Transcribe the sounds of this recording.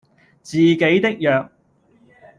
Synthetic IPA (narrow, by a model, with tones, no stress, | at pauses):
t͡siː˨˩ke˨˥jt̪ɪ˥k̚jœː˨˧k̚